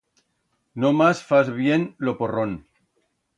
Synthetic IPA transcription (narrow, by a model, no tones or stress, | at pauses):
nomasfazβjenloporon